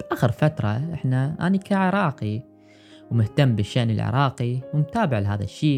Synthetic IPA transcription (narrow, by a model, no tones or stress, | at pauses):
b̥ʔaːxɪɾfat̪ɾˤɑʔɪħnaʔa̰ːnikaʕɪɾˤɑːqi | wmʊht̪amːbɪʃːaʔnɪ̰lʕɪ̰ɾˤɑːqiwɪmt̪aːbɪʕlɦaːða̰ʃːiː